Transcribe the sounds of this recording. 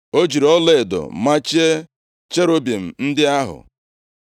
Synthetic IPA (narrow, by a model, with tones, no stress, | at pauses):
o˦d͡ʒi˨ɾɔ˦le˦e˨dʊ̰˨ma˦t͡ʃe˦ | t͡ʃe˦ɾo˦be˨m̩˨n̩˦dɪ˦a˦ɦʊ̰˨